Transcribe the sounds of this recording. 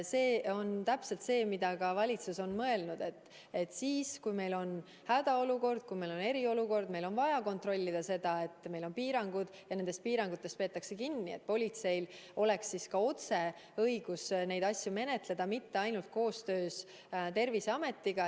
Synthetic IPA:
se̞ːo̞nt̪æpse̞lt̪se̞ːmid̪ɑkɑvɑlʲit̪suso̞nmɤe̞lnud̪̥e̞t̪ː | e̞t̪ːsiːskujme̞jlo̞n | hæd̪̥ɑo̞luko̞rd̪̥̚kujme̞jlo̞ne̞ɾio̞luko̞rd̪me̞jlo̞nvɑjɑko̞nt̪ro̞lʲːid̪̥ɑse̞d̪̥ɑe̞t̪ːˑme̞jlo̞npiːɾɑŋɡ̥ud̪̥jɑne̞nd̪̥est̪piːɾɑŋɡ̥ut̪ːˑest̪pe̞ːt̪ːˑɑkse̞kinːiet̪̚ːpo̞lʲit̪se̞jlo̞le̞ksːiskɑo̞t̪se̞ | ɤjɡ̥usne̞jd̪ɑsʲjume̞ne̞t̪le̞d̪̥ɑmit̪ːe̞ɑjnult̪̚ko̞ːst̪øːs | t̪e̞rviseɑme̞t̪ːiɡ̥ɑ

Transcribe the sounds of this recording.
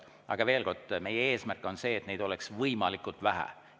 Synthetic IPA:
ʔɑ̰ɡ̥ɑve̞ːlko̞rd̪̥me̞jee̞ːsmærkːˑo̞nse̞ːt̪ne̞jd̪̥o̞leksvɤjmɑlikːˑult̪væɦæ̰

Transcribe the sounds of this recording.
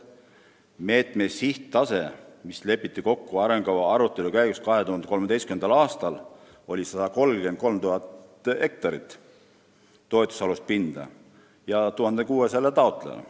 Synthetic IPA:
me̞ːt̪ˑme̞siht̪t̪ːɑse̞misle̞pːˑit̪ːiko̞kːuɑɾeŋɡ̥ɑɑɑɾut̪ːˑe̞lukæjɡ̥uskɑɦe̞t̪uhɑnd̪ekolmed̪ejskymend̪̥ɑlɑːst̪ɑl | o̞lʲisɑd̪̥ɑko̞lɡe̞nt̪̚ko̞lmt̪uɦɑt̪e̞k̚t̪ɑɾit̪ː | o̞et̪ːˑusɑlust̪̚pind̪̥ɑ̰ | jɑt̪uhɑnd̪ekuːeselːet̪ɑot̪ːˑlḛnɑ̰

